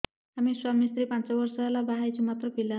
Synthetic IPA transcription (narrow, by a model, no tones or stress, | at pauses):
amiːswamnist̪ɾiːpant͡saʋəɾsalabaɦajt͡ɕimat̪ɾəpila